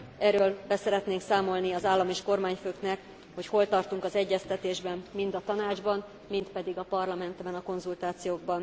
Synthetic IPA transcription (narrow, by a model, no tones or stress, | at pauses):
ɛɾøːlbɛsɛɾɛt̪neːŋksaːmo̞lniɒzaːlːɒmeːʃko̞rmaːɲføːknɛk | ho̞cho̞lt̪ɒrt̪uŋkɒzɛɟːɛst̪ɛt̪eːʒbɛnmind̪ɒt̪ɒnaːd͡ʒbɒn | mint̪pɛd̪iɡɒpɒrlɒmɛnt̪bɛnɒko̞nzult̪aːt̪sijoːɡ̚bɒn